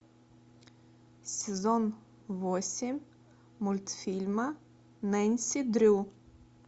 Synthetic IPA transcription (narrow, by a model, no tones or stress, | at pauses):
sʲezɔn | ʋosʲemʲ | mulʲt̪fʲilʲma | nɛnʲsʲid̪ɾʲu